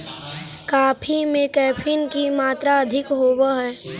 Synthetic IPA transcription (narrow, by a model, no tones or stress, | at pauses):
kaːpʰimẽkɛːpʰinkimaːt̪ɾaɐd̪ʱɪkɦoːwaɦɛː